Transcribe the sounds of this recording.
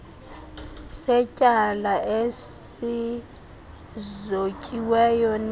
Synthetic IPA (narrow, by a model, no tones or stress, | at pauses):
sɛcʼalaʔessi | zocʼiwɛjɔn